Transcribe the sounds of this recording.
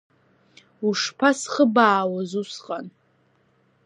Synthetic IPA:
uʂpʰasχəbaːwazusqʼan

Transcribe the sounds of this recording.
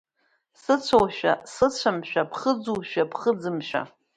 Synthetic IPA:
sɨt͡ɕʷʰowʃᶣa̰sɨt͡ɕʷʰamʃᶣapʰχəd͡zuwʃᶣapʰχəd͡zɨmʃᶣa̰

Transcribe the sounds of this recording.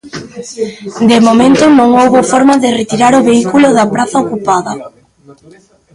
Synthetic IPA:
d̪emomẽnt̪ʊnõŋowβofɔɾmaðɪret̪iɾaɾʊβeikuloðɐpɾaθɐokupaðɐ

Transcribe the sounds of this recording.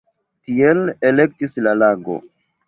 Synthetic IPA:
tielelek̚tislalaɡo̰

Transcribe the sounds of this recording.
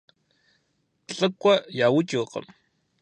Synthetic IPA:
ɬʼɨkʷʼːajaːwʊt͡ʃʼiːqə̰m

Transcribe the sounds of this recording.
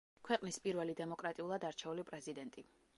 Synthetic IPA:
kʰwɛqʼnispʼiɾvɛlid̪ɛmɔkʼɾat̪ʼiulˠad̪aɾt͡ʃʰɛulipʼɾɛzid̪ɛnt̪ʼi

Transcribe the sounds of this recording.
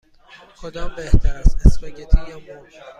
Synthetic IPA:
kʰod̪ɒːmbeht̪ʰæɾæsesmeɟet̪ʰijɒːmo

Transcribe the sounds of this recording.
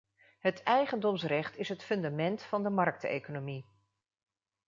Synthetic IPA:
ɦətʰɛjχəndɔmsrɛχtɪsɦətfɵndamɛntfɑndəmɑrk̚tḛjkonomi

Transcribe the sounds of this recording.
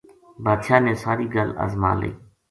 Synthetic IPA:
baːd̪ʃaːnẽːsaːɾiːɡələ̰zmã̰ːlḛː

